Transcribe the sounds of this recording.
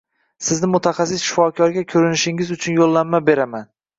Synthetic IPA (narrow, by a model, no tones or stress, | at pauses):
sɪznɪmʊt̪ʰaχɑsɪsʃɪ̥fɒkʲʰɒɾɡʲakʲʰɵɾɪnɪʃɪŋɪzʊt͡ʃʰʊnjolˠːamːabe̞ɾaman